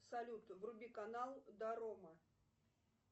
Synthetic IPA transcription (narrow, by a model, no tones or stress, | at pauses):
sɐlʲut̪vrʊbʲikɐnalˠd̪ɐɾomɐ